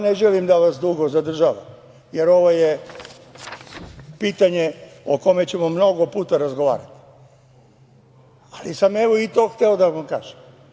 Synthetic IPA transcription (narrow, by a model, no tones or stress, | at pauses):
neʒelimd̪aʋasd̪uɡo̞zad̪r̩ʒaʋa̰m | jeɾo̞ʋo̞je | piːt̪aɲe̞oko̞me̞t͡ɕe̞mo̞mno̞ɡo̞puːt̪aɾazɡo̞ʋa̰ːɾa̰t̪i̥ | alisame̞ʋo̞it̪oxt̪eo̞d̪aʋʋamkaːʒ̥e̥m